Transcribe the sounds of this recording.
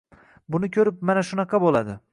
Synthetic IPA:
bʊnɪkʲʰɵɾɪp̚manaʃʊnɑqʰɑbolˠad̪ɪ

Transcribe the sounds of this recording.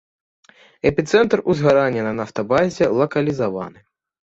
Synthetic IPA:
ɛpʲit̪sɛnt̪ruzɣaɾanʲːɐnɐnaft̪ɐbazʲɛlˠɐkɐlʲizava̰nɨ

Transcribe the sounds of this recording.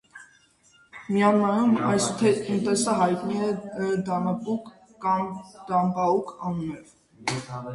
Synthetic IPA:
miɑnɑjumɑjst̪ʰɛt̪ənt̪ɛsəɦɑjt̪niɛd̪ɑnɑpuk | kɑmd̪̥ɑmbɑukʰɑnunɛv

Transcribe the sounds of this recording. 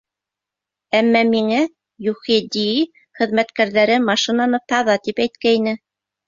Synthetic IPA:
æmːæmiŋæ | jʉχid̪ii | χɘ̆ðmæt̪kæɾðæɾɘmɑʃĭnɑnɤp̚t̪ɑðɑt̪ipæjt̪̚kæinɘ

